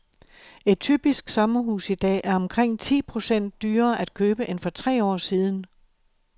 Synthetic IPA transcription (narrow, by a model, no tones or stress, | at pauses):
e̝d̥̚t͡sʰyb̥isɡ̥sɒ̽mɐɦṵːsid̥ɛ̰ːʔæɐɒ̽mkʰʁeŋ̰t͡sʰḭːpʰʁo̝sen̰d̥ːyːɐːʔæd̥̚kʰøːb̥əʔe̝nfɒ̽t͡sʰʁɛ̰ːɒ̰ːsiːð̞ˠn̩